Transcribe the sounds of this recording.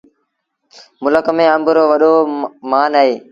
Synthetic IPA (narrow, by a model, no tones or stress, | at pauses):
mʊləkmẽːə̃mbəɾoːʋəɗoːmaːnaːɦeː